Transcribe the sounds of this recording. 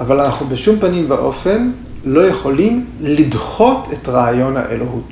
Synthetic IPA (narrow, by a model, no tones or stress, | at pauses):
ʔavalanaχnubeʃumpanimbeʔo̞fe̞n | lo̞jeχo̞limlidχo̞tʰe̞tʁaːjo̞nha̰ʔḛloɦut